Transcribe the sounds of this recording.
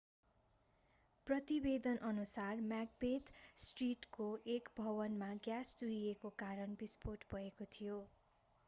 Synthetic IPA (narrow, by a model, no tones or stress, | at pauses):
prʌt̪ibed̪ʌnʔʌnusarmjak̚bet̪sʈriʈkoʔekbʱʌbʌnmaɡjasd̪uɦiekokaɾʌnbisporʈbʱʌekot̪ʰijo